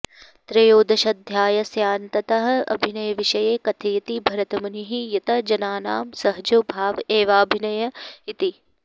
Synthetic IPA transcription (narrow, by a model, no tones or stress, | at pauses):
t̪ɾɐjoːd̪ɐʃɐd̪ʱjaːjɐsjaːnt̪ɐt̪ɐɦɐ̆ɐ̰bʱinɐjɐʋɪʃɐjeːkɐt̪ʰeːt̪ibʱɐɾɐt̪ɐmɐniɦijɐt̪ɐd͡ʒɐnaːnaːmsɐɦd͡ʒobʱaːʋeːʋaːbʱinɐjɐit̪i